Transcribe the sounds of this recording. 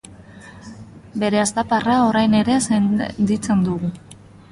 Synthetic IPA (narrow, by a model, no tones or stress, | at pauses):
be̞ɾe̞ast̪aparao̞ɾajne̞ɾe̞sent̪it͡se̞nd̪uɣu